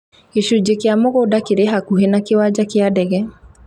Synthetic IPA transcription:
eʃud͡ʒekeamoɣodakeɾeɦakuɦenakewad͡ʒakeadɛɣɛ

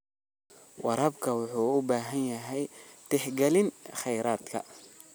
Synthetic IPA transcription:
wʔɑɾɐbkʰɐwʊħuːʊbaːɦɐnjɐɦɛjt̪ʰɪħɡɛlɪnχɛjɾaːd̪kʰɐ̰

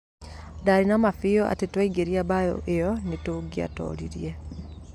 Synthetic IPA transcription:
daɾinamafijoʔa̰tetwaiɡeɾiabajo̰ʔejɔnitoɡia̰to̰ːliɾje

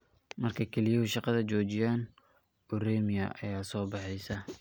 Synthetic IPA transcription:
mɐrkʰɐkʰɛlɪjɐʊʃɑqɑðɐt͡ʃɔːt͡ʃɪjaːn | ʊrɛːmɪjɐ̰ʔɐ̰jaːsɔːbɑħɛjsɐ

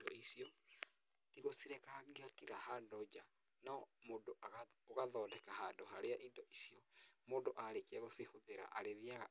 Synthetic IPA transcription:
dɔisiɔ | kiɣosiɾekaɣiakiɣahandɔd͡ʒa | namoːndoʔaɣoɣaðɔːdɛkahandoɦaɾeaʔindɔʔisiɔmoːndoʔaɾekiaɣosihoðeɾa̰ʔa̰ɾeðiaɣa

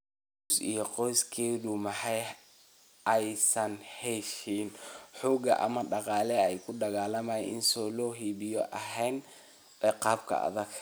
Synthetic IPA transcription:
ʊsḭjɔqɔjskʰɛːðumɑħɑj | ʔɛjsɐnhɛʃinħuːɡɐ̰ʔɐ̰mɐɖɑqɑːlɛɛjkʰʊɖɑɣaːlɐmaːjɛ̰ʔɪ̰nsɔːlɔːɦiːβɪjɔʔɐɦɛjn | ɛqɑːb̚kʰɐ̰ɐ̰ðɐɡ

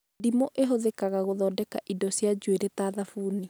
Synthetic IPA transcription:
dimoʔeɦoðekaɣaɣoðɔːdɛka̰ʔidɔsjad͡ʑweɾɛtaðafuːni

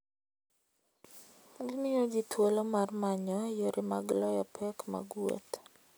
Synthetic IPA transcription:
ɡimɪod͡ʒitʰwolomarmaɲɔjoɾʔɪma̰ɡlɔjɔpʰɛkma̰ɡwo̰t

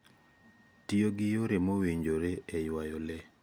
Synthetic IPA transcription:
tioɡɪjoɾemoweɲd͡ʒoɾeejwajɔle

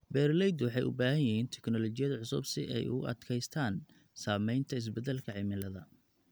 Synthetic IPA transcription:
bɛːrlɛjd̪wɑħɑjʔʊ̰baːɦɐjɪɦiːnt̪ʰɛ̥knɔlɔt͡ʃɪjɐðʕʊsʊbsɪ̰ʔɛ̰jʊ̰ʔɐ̰d̪kʰɛjst̪ʰaːn | saːmɛjnt̪ʰɐɪs̬bɛd̪ɛlkʰɐʕɪmɪlɐðɐ

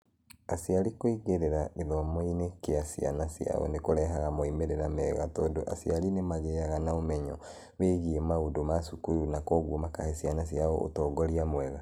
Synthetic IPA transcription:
asiaɾikoiɣeɾeɾaʔeðɔmoinekeasia̰nasja̰ɔ̰nekoɾɛɦaɣamoimeɾeɾamɛɣatɔːndoʔa̰sialinemaɣeaɣanaomɛɲɔ | βeiɣiemaodomasukuɾunakɔɣwomakahesianas̬iaɔo̰tɔːɡɔɾiamwɛɣa

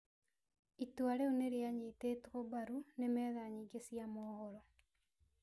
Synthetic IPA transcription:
itwaɾɛuneɾeaɲeteːtɣɔbaɾunemɛðaɲiɡesiamɔːhɔɾɔ

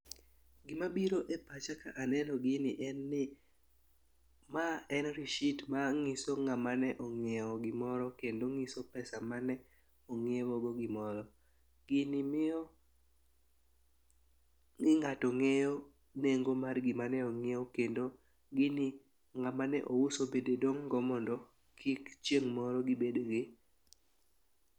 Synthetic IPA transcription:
ɡɪmabiɾoʔepat͡ʃakaʔanɛnɔɡɪnɪʔɛnːɪ | maɛnɾiʃitmaŋɪsoŋamanɛʔɔŋɛɔɡɪmɔɾɔkendoŋɪsopɛsamanɛ | oŋewoɡoɡɪmɔɾɔ | ɡ̥ɪnɪmɪɔ | ŋɪŋatɔŋejo | neŋɡomarɡɪmanɛoŋeɔkendo | ɡɪni | ŋamanɛ̰ʔousobededoŋɡɔmɔndɔ | kʰikt͡ʃjeŋmɔɾɔɡɪbedoɡɪ

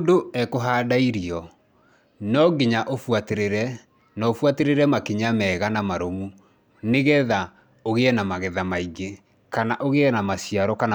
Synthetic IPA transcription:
doɛkoɦaːdaiɾiɔ | nɔɡiɲaʔofwateɾeɾɛ | nɔofwateɾeɾɛmakeɲamɛːɣanamaɾomu | neɣɛða | oɣeɛnamaɣɛðamaiɡe | kanaʔoɣeɛnamasijaɾɔkana

